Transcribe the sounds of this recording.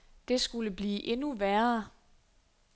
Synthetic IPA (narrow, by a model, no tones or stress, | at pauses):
d̥e̝sɡ̥uləb̥liːʔe̝nuʋæɐ